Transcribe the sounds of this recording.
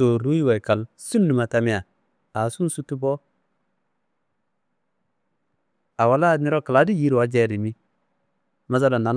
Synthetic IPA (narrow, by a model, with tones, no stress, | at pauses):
o˨ɾu˦ji˦wa˨ka˨lsu˦nːu˨ma˨ta˦mi˦a˨ | a˨su˦n˦su˦tːu˦bo˦ | a˨wa˨˦la˦˨ni˦ɾo˦ka˨la˨˦di˦ji˦ɾi˨wa˦d͡ʒe˦ɾi˨mi˦ | ma˦za˦la˨na˨n